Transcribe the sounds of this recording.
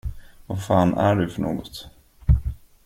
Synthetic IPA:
vafɑːnæɖɵfœɳo̰ːɡɔt̪

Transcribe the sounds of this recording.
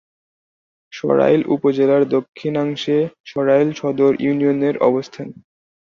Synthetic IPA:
ʃɔ̰ɾa̰jlʔṵpod͡ʑelaɾd̪okʰːinaŋʃeʃɔɾajlʃɔd̪oɾjunioneɾɔ̰bost̪ʰan

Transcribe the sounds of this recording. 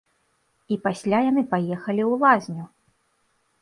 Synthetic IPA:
ipasʲlʲajanɨpajɛxɐlʲiwlˠazʲnʲu

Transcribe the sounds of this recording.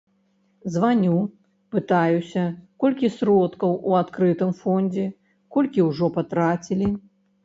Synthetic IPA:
zvanʲu | pɨt̪ajusʲɐkɔlʲkʲisɾɔt̪kɐwuat̪kɾɨt̪ɨmfɔnʲd͡zʲɛ | kɔlʲkʲiwʐɔpat̪ɾat͡sʲilʲi

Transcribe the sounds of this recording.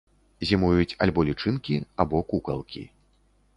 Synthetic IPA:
zʲimujut͡sʲalʲbɔlʲit͡ʂɨnkʲiabɔkukɐ̰lˠkʲḭ

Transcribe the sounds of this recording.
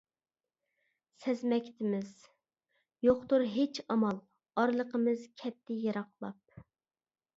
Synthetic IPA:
sɛzmɛkʲʰt̪ʰɪmɪz | joχt̪uɾɦet͡ʃɑmɑlˠ | ɑɾlˠəqəmɨzkʲʰɛt̪ʰːɪjɑɾɑqlˠɑp̚

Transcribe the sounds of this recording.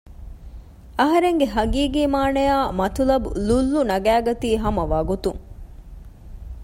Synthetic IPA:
ɐɦɐɾeŋɡeɦɐɡiːɡiːmaːnɐjaːmɐt̪ulɐbṵlulːunɐɡæːɡɐt̪iːɦɐmɐʋɐɡut̪uŋ

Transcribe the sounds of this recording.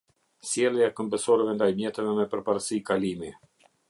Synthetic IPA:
sjɛlˠjaɛkɔmbəsɔɾɛvɛnd̪ajmjɛt̪ɛvɛmɛpəɾpaɾsikalimi

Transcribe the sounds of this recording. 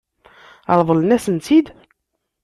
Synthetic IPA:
ɑ̰ɾˤvˤəlnæsənt̪id̪

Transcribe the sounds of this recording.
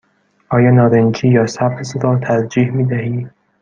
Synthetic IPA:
ʔɒːjɒːnɒːɾeŋkʰiːjɒːsæbesɾɒːt̪ʰæɾd͡ʒiːhmiːd̪æhiː

